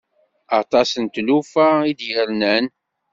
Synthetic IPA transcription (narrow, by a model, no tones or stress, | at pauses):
ɑt̪ˤɑsənt̪lufæid̪jəɾnən